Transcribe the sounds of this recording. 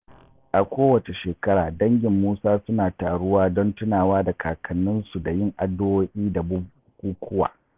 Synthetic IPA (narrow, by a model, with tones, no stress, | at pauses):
ʔa˨kʷoː˦wɐ˨t͡ʃe˨ʃeː˨kɐ˦ɽaː˨dɐ˦ŋɡʲɪ˨mːuː˦saː˦sʊ˦naː˨taː˨ɽʊ˦waː˦dɔ˦ntʊ˦naː˨waː˦da˨kʰaː˨kʰɐ˨nːʊ˦nsu˨da˨jɪ˦˨ŋʔa˨dːo˦woː˦ʔʲiː˦da˨bʊ˦bkʷʼuː˦kʷʰʊ˦wa̰ː˨